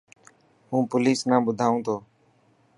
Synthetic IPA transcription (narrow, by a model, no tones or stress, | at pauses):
ɦũːpʊliːsnãːbʊd̪ʱaːũːt̪ʰoː